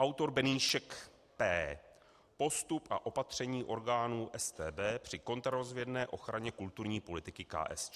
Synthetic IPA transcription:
ʔawt̪o̞ɾbɛniːʃɛk | pɛː | po̞st̪upʔa̰ʔo̞pat̪r̝̥ɛɲiːʔo̞ɾɡaːnuːʔɛst̪ɛːbɛːpr̝̥ɪko̞nt̪ɾaɾo̞zvjɛdnɛːʔo̞xɾaɲɛkult̪uɾɲiːpo̞lɪt̪ɪkɪka̰ːʔɛ̰st͡ʃ

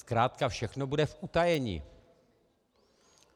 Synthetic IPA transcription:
skɾaːt̪kafʃɛxnobudɛfʔut̪ajɛɲḭː

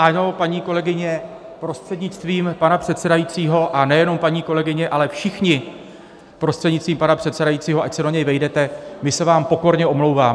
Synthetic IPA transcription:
ʔano̞paɲiːko̞lɛɡɪɲɛ | pɾo̞st̪r̥ɛdɲɪt͡st̪viːmpanapr̝̥ɛt̪sɛdajiːt͡siːɦo̞ʔanɛjɛno̞mpaɲiːko̞lɛɡɪɲɛʔalɛfʃɪxɲɪ | pɾo̞st̪r̥ɛdɲɪtt͡st̪viːmpanapr̥ɛt̪sɛdajitt͡siːɦoʔacsɛdo̞ɲɛjvɛjdɛt̪ɛmɪsɛvaːmpo̞ko̞ɾɲɛʔo̞mlowvaːm

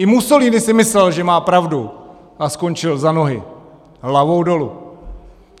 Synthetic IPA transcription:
ʔɪmuso̞liːnɪsɪmɪslɛlʒɛmaːpɾavdu | ʔasko̞nt͡ʃɪlzano̞ɦɪ | ɦlavo̞wdo̞lu

